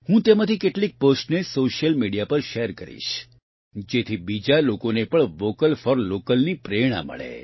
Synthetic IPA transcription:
hũt̪emãt̪ʰikeʈlik̚posʈnesoʃjəlmiɽijapəɾʃeɾkəɾḭʃ | d͡ʒet̪ʰibid͡ʒalokonepəɳʋokəlfɔɾlokəlnipɾeɽ̃a̰mə̰ɭḛ

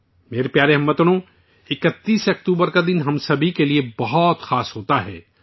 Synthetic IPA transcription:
meːɾepjaːɾeɦɐmːət̪ɽ̃õ | ɪkət̪ːiːsɐkt̪uːbəɾkad̪ɪnɦɐmsɐbʱikeliebɐɦɔt̪xaːsɦoːt̪aɦɛ̰ː

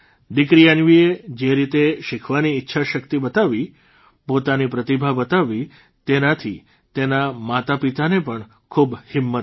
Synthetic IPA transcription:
d̪ikɾijanʋied͡ʒeɾit̪eʃɪkʰʋaniːtːʃʰaʃəkt̪ibət̪aʋi | pot̪anipɾət̪ibʱabət̪aʋi | t̪enat̪ʰi | t̪enamat̪apit̪anepəɳ | kʰubhɪmːət̪

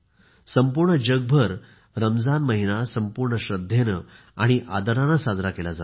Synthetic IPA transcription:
səmpuɾɳəd͡ʑəɡ̚bʱəɾ | ɾəmd͡zanməɦinasəmpuɾɳəɕɾəd̪ʱjenə | aɽ̃iʔad̪əɾãnasad͡zɾakelad͡za

